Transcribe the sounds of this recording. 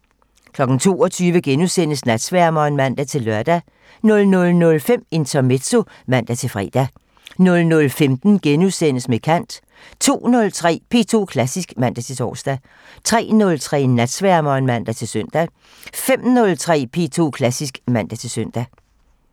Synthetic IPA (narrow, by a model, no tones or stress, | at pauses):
kʰlɒ̽ɡ̥n̩t͡sʰo̝̰ːɒt͡sʰyːʋəɡ̥enusen̰əsnæd̥sʋæɐmɒːnmæn̰d̥æt͡sʰe̝lːɶɐd̥æ | nɔ̽lnɔ̽lnɔ̽lfem̰e̝nt͡sʰɒme̝d̥so̝ | mæn̰d̥æt͡sʰe̝fʁḭːd̥æ | nɔ̽lnɔ̽lfemd̥n̩ɡ̥enusen̰əsmekʰæn̰d̥ | t͡sʰo̝̰ːnɔ̽lt͡sʰʁɛ̰ːpʰe̝ːt͡sʰo̝̰ːkʰlæsisɡ̥mæn̰d̥æt͡sʰe̝t͡sʰɒ̰ːsd̥æ | t͡sʰʁɛ̰ːnɔ̽lt͡sʰʁɛ̰ːnːæd̥sʋæɐmɒnmæn̰d̥æt͡sʰe̝lsøn̰d̥æ | fem̰nɔ̽lt͡sʰʁɛ̰ːpʰe̝ːt͡sʰo̝̰kʰlæsisɡ̥mæn̰d̥æt͡sʰe̝søn̰d̥æ